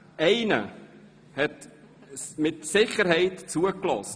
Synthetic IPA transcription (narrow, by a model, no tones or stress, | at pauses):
ɛɪnə̰ | hɛt | mɪtsɪχəɾhɛɪtt͡suəklɔs